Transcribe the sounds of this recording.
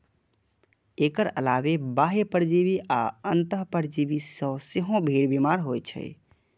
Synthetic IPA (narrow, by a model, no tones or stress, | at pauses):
ekəɾə̰laβebaɦepəɾd͡ʒiβiʔaənt̪əɦpəɾd͡ʒibisə̃seɦõbʱiɽbimaɾɦojt͡ʃʰɛ̰j